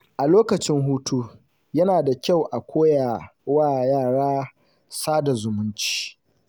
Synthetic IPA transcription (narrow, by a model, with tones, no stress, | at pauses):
ʔa˨loː˦kɐ˨t͡ʃɪ˦ŋɦuː˦tu˦ | jɐ˦naː˨da˨kʲa˦˨wʔa˨kʷoː˦jaː˨waː˦˨jaː˦˨ɽaː˦ | saː˦da˨zʊ˨mʊ˦nt͡ʃi̥ː˦